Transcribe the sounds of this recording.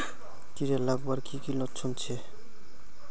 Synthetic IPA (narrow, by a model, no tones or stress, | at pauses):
t̪iɾelaɡbaɾkikilotːt͡ɕʰont͡ɕʰe